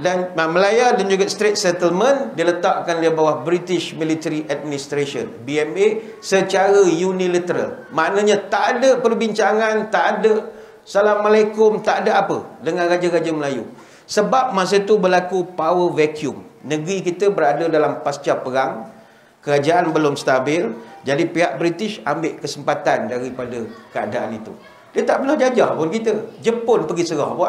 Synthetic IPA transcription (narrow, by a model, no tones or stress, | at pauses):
danməlajadand͡ʒuɡast̪ɾet̪̚sɛt̪əlmə̃ndilət̪aʔkanlibawahbɾit̪ɪʃmĩlit̪əɾiʔad̚minist̪ɾasə̰nbiɛme | sət͡ʃaɾəjunĩlət̪əɾa̰lmaʔnə̃ɲãt̪aʔadəpərbiɲt͡ʃaŋãnt̪aʔadə | salaməlakʊmt̪aʔadəapə̰dəŋãnrad͡ʒaɾad͡ʒaməlajṵ | səbap̚mas̬ət̪ubəlakupawəvɛkjʊmnə̃ɡɾikit̪əbəɾadədalampast͡ʃapəɾaŋ | kəɾad͡ʒaʔanbəlʊmst̪abɪld͡ʒadipiɦaʔ̚bɾit̪ɪʃambɪʔkəsəmpat̪andaɾipadəkəa̰daʔa̰nit̪ṵ | diət̪aʔpənahd͡ʒad͡ʒahpʊnkit̪əd͡ʒəpʊnpəɡisəɾɔhbaʔ